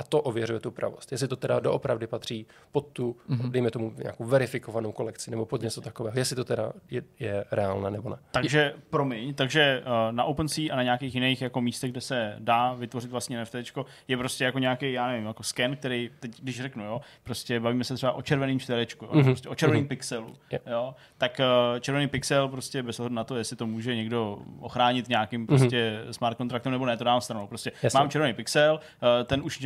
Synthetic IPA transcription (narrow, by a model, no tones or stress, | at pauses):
ʔat̪oʔovjɛɾujɛt̪upɾa̰vost̪jɛs̬lɪt̪ot̪ɛda̰doʔopɾavdɪpat̪r̝̥iː | pot̪ːudɛjmɛt̪o̞muɲa̰ːkowvɛɾɪfɪkovanowko̞lɛkt͡sɪnɛbopod̪ɲɛt͡sot̪akovɛːɦojɛslɪt̪ot̪ɛda̰jɛjɛɾɛaːlnɛːnɛbonɛt̪aɡʒɛpɾo̞mɪɲt̪aɡʒɛnaʔowpnsiːʔanaɲaakejxjɪnejxjako̞miːst̪ɛɣɡdɛsɛdaːvɪt̪vo̞rɪt̪vlasɲɛnɛft̪ɛt͡ʃko̞ | jɛpɾoscʲɛjako̞ɲeakejjaːnɛvɪmjako̞skɛnk̚t̪ɛɾejt̪ɛcɡdɪʃrɛknujo | pɾoscɛbaviːmɛsɛt̪r̥ɛbaʔo̞t͡ʃɛɾvɛniːmt͡ʃt̪vɛɾɛt͡ʃkujo̰npɾostcɛʔo̞t͡ʃɛɾvɛniːmpɪksɛlujo | t̪akːt͡ʃɛɾvɛnejpɪksɛlpɾoscʲɛbɛzɦoɦɛdunat̪o̞jɛslɪt̪omuːʒɛɲɛɡdo̞ʔoxɾaːɲɪt̪ɲaːkɪmpɾoscɛsmaɾt̪̚kont̪ɾakt̪ɛmnɛbonɛt̪odaːamst̪ɾanowpɾoscɛmaːmt͡ʃɛɾvɛnejpɪksɛlː | t̪ɛnuʃ